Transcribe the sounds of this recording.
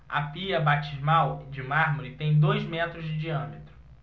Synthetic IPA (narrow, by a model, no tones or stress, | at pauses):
ɐ̰piɐbat͡ʃizmawd͡ʒɪmaɾmoɾɪt̪ẽj̃d̪ojzmɛt̪ɾʊzd͡ʒɪd͡ʒiɐ̃met̪ɾʊ